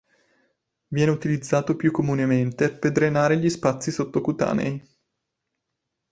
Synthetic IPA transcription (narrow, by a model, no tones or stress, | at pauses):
vjɛːneut̪ilid̪zːaːt̪opjukːomunement̪eped̪ɾenaːɾeʎispat̪sːisot̪ːokut̪a̰ːnḛj